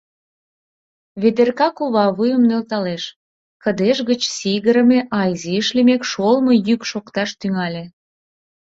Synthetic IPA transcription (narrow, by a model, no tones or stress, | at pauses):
βed̪erkɑkuβɑβujə̆mnølt̪ɑleʃ | kə̆d̪eʃɣət͡ɕsiɣəɾə̆meʔɑjziəʃlemekʃolmojykʃokt̪ɑʃt̪yŋɑlʲe